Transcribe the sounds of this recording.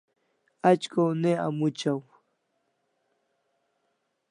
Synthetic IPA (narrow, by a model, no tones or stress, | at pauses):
at͡ʃkawnea̰mʊt͡ʃaw